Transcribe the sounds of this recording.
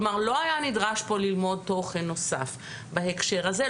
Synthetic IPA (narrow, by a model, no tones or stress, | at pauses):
maʁlo̞ajanidʁaʃbo̞lilmo̞d̚to̞χenːo̞sa̰f | bahekʃeʁaze